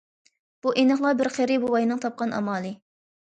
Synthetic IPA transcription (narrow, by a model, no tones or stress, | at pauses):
b̥uʔenɨχlˠɑbɪɾχeɾɪbowɑjinɨŋt̪ʰɑp̚qɑnʔɑ̰mɑːlˠɨ